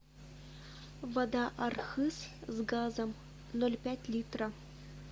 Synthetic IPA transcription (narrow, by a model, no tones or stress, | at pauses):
vad̪ɑʔɑrxɨszɡɑzə̆m | nolʲpʲætʲlʲit̪ro